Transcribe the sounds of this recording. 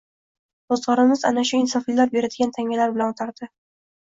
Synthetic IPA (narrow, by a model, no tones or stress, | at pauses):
ozʁɒɾɪmɪza̰naʃʊɪnsɒfilaɾp̚beɾad̪ɪɡʲant̪ʰaŋʲalaɾbɪlanot̪ʰaɾd̪̥ɪ